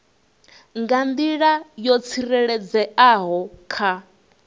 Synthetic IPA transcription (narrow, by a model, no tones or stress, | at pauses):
ŋɡand̪iɺajɔt͡sʰiɾɛɺɛd͡zɛaɦɔkʰa